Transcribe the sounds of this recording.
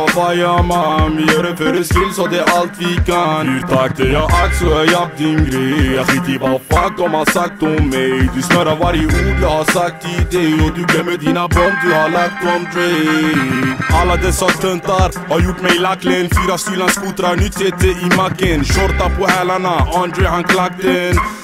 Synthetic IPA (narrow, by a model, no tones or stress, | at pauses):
vɑjamamjøːɾəfœøɾəskɪlsɔd̪ɛʔalt̪ʋikayɾt̪ʰak̚t̪ɛjɑːʔat̪sɔɛjap̚d̪ɪnɡɾɛɑkɪt̪ipafat̪ɔmhasak̚t̪ɔmːɛjd̪ʉsnœɾavaɾjəʔuːɡəhɑsak̚t̪ʰːɪd̪ɛjɔd̪ʉblɛmɛd̪iːnabɔnd̪ʉhaɾlak̚t̪ɔmt̪ʰɾɛ | alːad̪ɛsːat̪ʰœnt̪aɾ | hɑɾjuʈːmɛjlakːlɛnfyːɾast̪yːlanskut̪ɾanʏt̪heːt̪əɾimakːənʃɔɾt̪apʰɔhæːlanaɑnd̪ɾɛhankʰlak̚t̪ən